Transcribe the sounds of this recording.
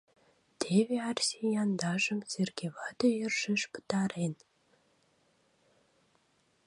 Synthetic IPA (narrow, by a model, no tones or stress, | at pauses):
d̪̥eβʲeɑrsʲejɑnd̪ɑʒə̆mz̥erɡʲevɑd̪ojerʒɘ̆ʃpɨ̥t̪ɑɾen